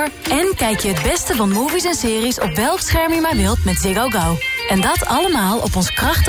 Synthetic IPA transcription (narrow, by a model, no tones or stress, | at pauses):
ɹ | ɛnkɛjkjəɦədbɛstəvɑnmuːvisɛnsɪːrisɔ̰pʋɛlˠksχɛɹmɪjmaːɹʋɪlˠtmɛtzɪɡowɡaw | ɛndɑtʰɑləmaːlˠɔ̰pɔnsə̥krɑχt